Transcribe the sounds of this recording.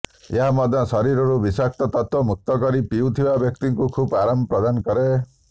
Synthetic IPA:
eɦamɔd̪ʱːɔsɔɾiɾɔɾubisak̚t̪ɔt̪ɔt̪wɔmuk̚t̪ɔkɔɾipiwt̪ʰibabjɔk̚t̪iŋkukʰupaɾamɔpɾɔd̪anɔkɔɾe

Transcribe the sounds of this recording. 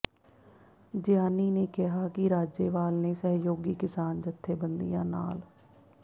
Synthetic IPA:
d͡ʒjaːniːneːkɪɦaːkɪɾaːd͡ʒeːʋaːlneːsəɦjoːɡiːkɪsaːnd͡ʒət̪ʰːeːbənd̪ḭjãːna̰ːl

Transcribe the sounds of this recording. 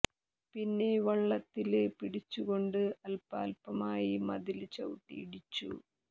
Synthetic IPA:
pinːe̞ʋɐɭːɐt̪ːile̞piɽit͡ɕːuɣo̞ɳɖɨɐlpa̰ːlpɐmaːjimɐðilt͡ɕɐwuʈːḭːɽit͡ɕːṵ

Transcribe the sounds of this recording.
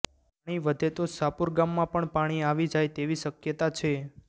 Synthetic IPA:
paɽ̃iʋəd̪ʱet̪osapuɾɡamːãpəɳpaɽ̃iaʋid͡ʒajt̪eʋiʃəkjət̪at͡ʃʰe

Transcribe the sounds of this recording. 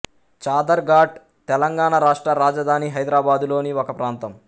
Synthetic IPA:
t͡ʃaːd̪ɐɾɡaːɖ̚ | t̪ɛlɐŋɡaːɳɐɾaːʂʈɾɐɾaːd͡ʒɐd̪ʱaːniɦɐjd̪ɾaːbaːd̪ulo̞ːniɔkɐpɾaːnt̪ɐm

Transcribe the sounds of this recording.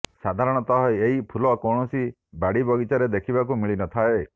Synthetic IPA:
sad̪ʱaɾɔɽ̃ɔt̪ɔɦɔeɦipʰulɔkɔɳ̃ɔsi | baɽibɔɡit͡ʃaɾed̪ekʰibak̬umiɭinɔt̪ʰae

